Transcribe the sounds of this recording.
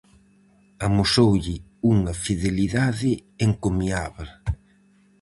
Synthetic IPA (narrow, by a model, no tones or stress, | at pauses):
amosowʎɪ | uŋɐfiðeliðaðɪeŋkomiaβa